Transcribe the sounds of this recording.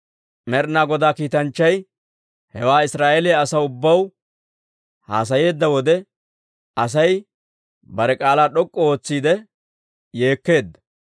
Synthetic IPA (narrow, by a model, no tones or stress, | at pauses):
mɛɾnaːɡɔd̪aːkiːt̪ɐnt͡ʃːɐj | hɛwaːɪsɾaːʔeleɐsɐʊbːɐw | ha̰ːs̬ɐje̞ːd̪ːɐwɔd̪ɛ | ɐs̬ɐj | bɐɾɛkʼaːlaːɗɔkʼːɔo̞ːt͡sːiːd̪ɛ | je̞ːkːe̞ːd̪ːɐ̥